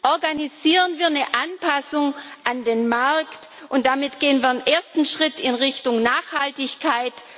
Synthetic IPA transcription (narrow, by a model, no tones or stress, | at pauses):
ʔɔɐɡaniziːʁənviːɐnəʔanpʰasʊŋʔandeːnmaʁkt | ʔʊnt̚d̥amɪtɡ̥eːənviːɐenʔeːɐstn̩ʃʁ̥ɪtɪnʁɪçtʊŋnaːxhaltɪçkʰaɪt